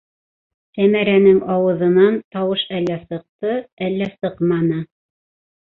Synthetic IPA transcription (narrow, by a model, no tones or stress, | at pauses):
sæmæɾænɘŋɑwɤ̆ðɤ̆nɑnt̪ɑwɤʃælːæsɤ̆q̚t̪ɤælːæsɤqmɑnɤ